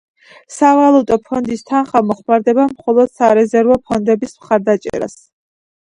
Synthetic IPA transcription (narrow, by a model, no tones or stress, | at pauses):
savalˠut̪ʼɔpʰɔnd̪ist̪ʰanχamɔχmaɾd̪ɛbamχɔlˠɔd̪̥saɾɛzɛɾvɔpʰɔnd̪ɛbismχaɾd̪at͡ʃʼɛ̰ɾa̰s